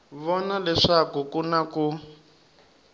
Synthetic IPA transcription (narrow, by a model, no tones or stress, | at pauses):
βɔnalɛʂakukunaku